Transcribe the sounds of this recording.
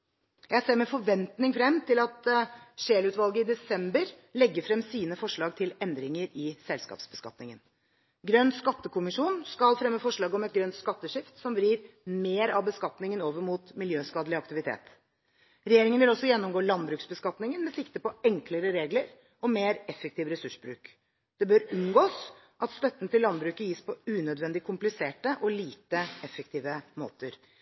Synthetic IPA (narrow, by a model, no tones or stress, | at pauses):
jæɪseːmɛfɔɾʋɛnt̪nɪŋfɾɛmːt̪ʰɪlɑt̪ʂeːlʉːt̪ʋɑlˠɡəɪd̪ɛsɛmbəɾ | lɛɡːəfɾɛmsiːnəfɔʂɭɑːɡ̚t̪ʰɪlɛnd̪ɾɪŋəɾɪsɛlskɑ̰ːpsbəskɑ̰t̪nɪŋən | ɡɾœnːskɑt̪ːəkʊmɪʂuːnskɑlfɾɛmːəfɔʂɭɑːɡəɔmɛt̪̚ɡɾœnt̪skɑt̪ːəʂɪft̪sɔmbɾiːɾ | meːɾɑʋbəskɑt̪nɪŋənoːʋəɾmuːt̪mɪljøːskɑːd̪əlɪɑkt̪ɪʋɪt̪ʰḛːt̪ | ɾɛjeːɾɪŋənʋɪlɔsːɔjɛnːɔmɡoːlɑnbɾʉːksbəskɑt̪nɪŋənmɛsɪkt̪əpɔɛŋkləɾəɾeːɡləɾ | ʔɔmeːɾɛfɛk̚t̪ʰiːʋɾɛsʉʂbɾʉ̰ːk | d̪̥ɛbøːɾʉnɡoːs | ʔɑt̪st̪œt̪ːənət̪ɪlːɑnbɾʉːkəjiːspʰɔʉːnœd̪ʋɛnd̪ɪkʰʊmplɪseːʈəʔɔliːt̪əɛfːək̚t̪ʰiːʋəmo̰ːt̪əɾ